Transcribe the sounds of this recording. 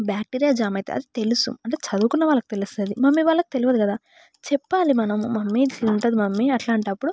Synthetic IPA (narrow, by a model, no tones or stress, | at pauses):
bjaːk̚ʈiɾijaːd͡ʒaːmɐjt̪ḛɐ̰d̪it̪e̞lusṵɐɳʈe̞ːt͡ʃɐd̪uːkunːɐʋaːɭːɐki̥t̪e̞lust̪ɐd̪imɐmːiʋaːɭːɐki̥t̪e̞luʋɐd̪ikɐd̪aː | t͡ʃɛpːaːlimɐnɐmːɐmːisint̪ɐd̪imɐmːiɐʈlaːɳʈɐpːuɽu